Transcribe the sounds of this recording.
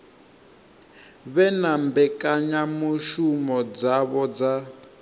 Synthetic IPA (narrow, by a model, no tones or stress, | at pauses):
βɛnambɛkaɲamuʃumɔd͡zaβɔd͡za